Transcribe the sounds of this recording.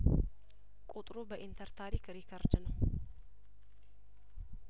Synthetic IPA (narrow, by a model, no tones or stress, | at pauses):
kʼut̪ʼɾubəʔint̪ʰəɾt̪ʰaɾikɾikʰəɾd̪nəw